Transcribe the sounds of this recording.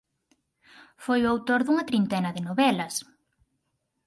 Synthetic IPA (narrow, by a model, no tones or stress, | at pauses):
fojuawt̪oɾðuŋɐt̪ɾint̪ɛnɐðɪnoβɛlɐs